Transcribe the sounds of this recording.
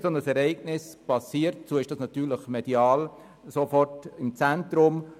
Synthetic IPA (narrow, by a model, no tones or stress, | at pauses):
sonəsɛɾɛɪɡnɪspɑsiːəɾtt͡suəɪʃd̥ɑːsnɑtyːɾləχmed̥iɑːl | sofɔrtɪmt͡sæntɾʊm